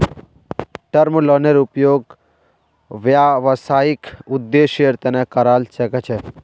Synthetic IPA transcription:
ʈɐɾmloneɾupjoːɡ | ʋjaʋəsaːikud̪ːeʃjəɾt̪enekɐɾaːlsəket͡ʃʰe

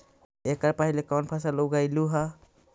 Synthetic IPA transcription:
ekaɾpaɦilekawnpʰas̬alɔwɡajluɦa

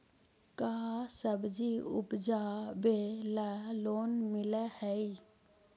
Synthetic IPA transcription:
kaːsəbd͡ʒiʊ̰pd͡ʒaːbelaloːnmɪlɛhɛi

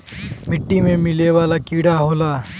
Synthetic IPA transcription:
mɪʈːimẽmɪleʋaːlakiːɽaɦoːlaː

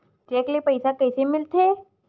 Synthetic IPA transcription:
d͡ʒeklipəjsakəjsemɪlt̪ʰe

